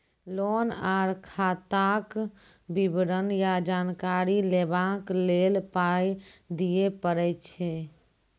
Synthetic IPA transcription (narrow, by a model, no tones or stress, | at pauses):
lonaɾkʰat̪ak | bibɾənjad͡ʒankaɾilebaklelpajd̪ijepəɾɛt͡ʃʰɛ